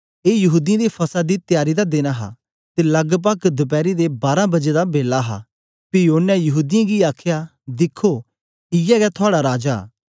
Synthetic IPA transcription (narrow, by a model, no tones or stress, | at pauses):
eːjɐɦuːd̪ɪjãd̪ipʰɐsad̪it̪ɪjaːɾid̪ad̪eːnaɦa̰ | t̪elɐɡp̬ɐkd̪ʊp̬ɛːɾid̪ebaːɾãbɐd͡ʒed̪abeːlːaɦa̰ | pɪoːnɛ̃jɐɦuːd̪ɪjãɡiaːkʰja | d̪ɪkʰːoː | ɪjɛɡɛt̪ʰʊaːɽaɾaːd͡ʒa̰ː